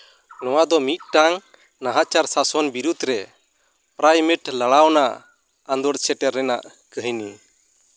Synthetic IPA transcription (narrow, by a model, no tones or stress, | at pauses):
nɔwad̪ɔmit̪̚ʈaŋ | naɦat͡ʃaɾsasɔnbiɾud̪ɾɛ | pɾajmɛʈlaɽawnaʔ | and̪ɔɽt͡ʃʰɛʈɛɾːɛna̰ʔ | kəɦni